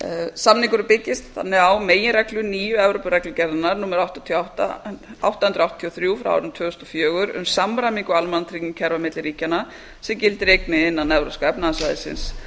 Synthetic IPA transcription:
samniŋkʏɾʏpɪcːɪst̪θa̰nːɪɣawmeːjɪɾɛklʏniːjʏɛvɾowpʏɾɛklʏcɛɾðɪnaɾnuːmaɾawht̪at̪ʰiawht̪a̰a̰wht̪ahʏnɾawt̪ʰiɔθɾjuːfɾa̰a̰wɾɪnt̪ʰv̥œːɣʏst̪ɔfjœːɣʏɾʏ̰msamːɾajmiŋkʏalmanat̪ʰɾiɪmcʰɛɾvamɪt̪lɪɾiːcana | sɛmcɪlt̪ɪɾejknɪɪnːanːɛvɾo̰wskaɛpnaasvaːjðɪ̰sɪ̰ns

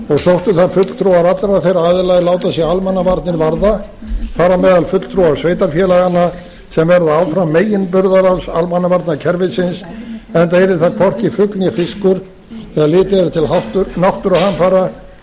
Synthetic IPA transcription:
ɔɣsowht̪ʏθaðfʏt̪l̥t̪ʰɾuwaɾat̪ɾaθejɾaːðɪlajlaːwt̪asjɛalmanːavaɾt̪nɪɾvaɾða | faːɾamɛːðalfʏt̪lt̪ʰɾuwaɾ̥sveːjt̪aɾfjɛlaɣanːa | sɛmvɛɾðaawfɾameːjɪnpʏɾðaɾawsa̰lmanːavaɾt̪nacʰɛɾvɪsɪnsɛnt̪ejɾɪθakʰvɔr̥c̪ɪfʏkljɛfɪskʏɾ | θɛalɪːt̪ɪɛɾt̪ʰɪlɦaht̪ʏɾnawht̪ʏɾahanfaɾa

